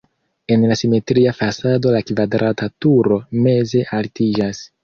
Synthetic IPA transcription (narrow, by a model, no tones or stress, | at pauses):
e̞nlasime̞tɾiafasado̞lakvadɾʔatatuɾo̞me̞ze̞ʔaltid͡ʒas